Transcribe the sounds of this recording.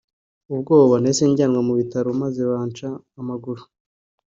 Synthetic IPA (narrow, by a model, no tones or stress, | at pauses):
ub̚ɡo̞ːβoβane̞seɲɟaːnwamuβitaɾomaze̞βaːnt͡ʃaː | maɡuɾu̥